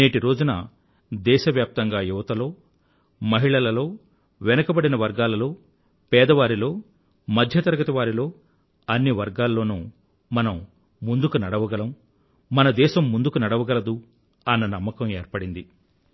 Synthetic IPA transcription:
neːʈiɾo̞ːd͡ʒunɐ̰ | d̪ɛːʃɐʋjaːp̚t̪ɐŋɡaːjuʋɐt̪ɐlo̞ː | mɐɦiɭɐlɐlo̞ː | ʋɛnɐkɐbɐɽinɐʋɐɾɡaːlɐlo̞ː | pɛːd̪ɐʋaːɾilo̞ː | mɐd̪ʱjɐt̪ɐɾɐɡɐt̪iʋaːɾilo̞ː | ɐnːiʋɐɾɡaːlːo̞ːnuː | mɐnɐmː | und̪ukunɐɽɐʋɐɡɐlɐmː | ɐnɐd̪ɛːʃɐmːund̪ukunɐɽɐʋɐɡɐlɐd̪u | ɐnːɐnɐmːɐkɐmḛːɾpɐɽind̪i

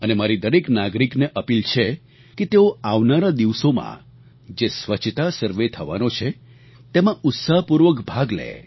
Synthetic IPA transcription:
ənemaɾid̪əɾeknaɡɾikneʔəpilt͡ʃʰe | ket̪eoaʋnaɾad̪iʋsomã̰ | d͡ʒesʋət͡ʃʰt̪asəɾʋet̪ʰəʋa̰not͡ʃʰe | t̪emãʊt̪saɦpuɾʋəkbʱaɡlḛ

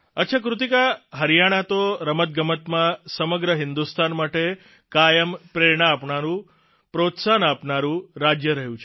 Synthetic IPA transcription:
ət̪ːʃʰakɾut̪ikaɦəɾijaɽ̃at̪oɾəmət̪̚ɡəmət̪mãsəməɡɾəɦɪnd̪ust̪anmaʈe | kajəmpɾeɾɳaːpɳaɾũ | pɾot̪sanapnaɾũɾad͡ʒjəɾəɦjũt͡ʃʰ

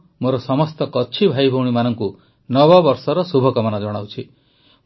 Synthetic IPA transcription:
moɾɔsɔmɔst̪ɔkɔt͡ʃʰibʱajbʱɔwɽ̃imanɔŋku | nɔbɔbɔɾsɔɾɔsubʱɔkɔmanad͡ʒɔɽ̃awt͡ʃʰi

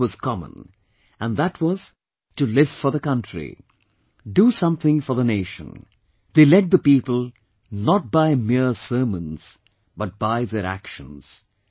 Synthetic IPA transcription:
wʌz̥kʰɑmə̰̃n | ə̃nðətʰwʌz̥ | tɨlɪv̥fɔ˞ðəkʌ̃ntɹ̥ḭ | dusʌ̃mθɪ̃ŋfɔ˞ðəneɪʃə̰̃n | ðeɪlɛd̚ðəpipəl̩ˠ | nət̚b̥aɪmɪɹsɜ˞mə̃nz̥ | b̥ʌt̚b̥aɪðəɾæ̰kʃə̰̃nz̥

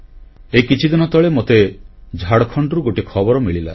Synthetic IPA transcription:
ekit͡ʃʰid̪inɔt̪ɔɭemot̪ed͡ʒʱaɽɔkʰɔɳɖɔɾuɡoʈikʰɔbɔɾɔmiɭila̰

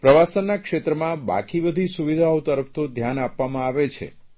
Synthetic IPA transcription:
pɾəʋasənːakʃet̪ɾəmãba̰kibəd̪ʱisuʋid̪ʱaot̪əɾəpt̪od̪ʱjanapːamãaʋet͡ʃʰḛ

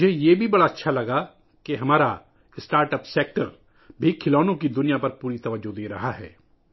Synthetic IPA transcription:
ʊd͡ʒʱejeːbʱibɐɽaɐtːʃʰalɐɡa | keɦɐmaːɾa | ɪsʈaːɾʈəpseːk̚ʈəɾ | bʱikʰɪlɔːnõkid̪ʊnijapɐɾpuːɾit̪ɐʋəd͡ʒod̪eːɾɐɦaɦɛ̰ː

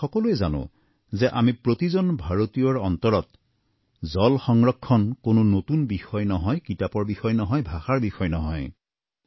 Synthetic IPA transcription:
xɔkɔluɛza̰nʊ̰̃ | zɛʔamipɹotizɔnbʱaɹotijɔɹɔntɔɹɔt | zɔlxɔŋɹɔkʰːɔnkonʊnotunbixɔjnɔɦɔjkitapɔɹbixɔjnɔɦɔjbʱaxaɹbixɔjnɔɦɔ̰j

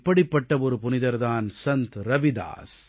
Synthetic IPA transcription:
pːɐɽɪpːɐʈːɐɔɾɯpʊnɪðɐɾðaːnsɐnt̪ɾɐʋɪd̪a̰ːs

